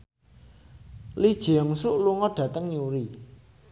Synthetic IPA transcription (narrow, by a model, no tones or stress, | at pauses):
lid̥ʒ̥eɔŋsuʔluŋɔɖ̥ä̤t̪əŋɲuɾi